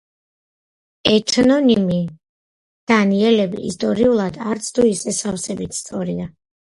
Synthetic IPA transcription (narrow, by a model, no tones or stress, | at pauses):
ɛt̪ʰnɔnimi | d̪̥aniɛlɛbḭːst̪ʼɔɾiulˠad̪aɾt̪sʰt̪ʰuisɛsafsɛbit̪ʰst̪sʼɔɾia